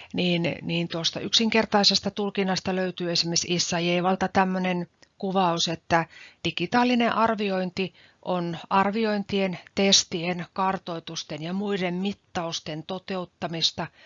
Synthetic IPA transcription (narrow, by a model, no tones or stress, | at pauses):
niːnniːnt̪uost̪ɑ̰yksiŋkert̪ɑisest̪ɑt̪ulkinːɑst̪ɑløyt̪yːesimːesisːɑjeiʋɑlt̪ɑt̪æmːønenkuʋɑuset̪ːæd̥ikit̪ɑːlːineʔɑrʋioint̪i | ʔonʔɑrʋioint̪ient̪est̪ienkɑrt̪oit̪ust̪enjɑmuidemmit̪ːɑust̪ent̪ot̪eut̪ːɑmist̪ɑ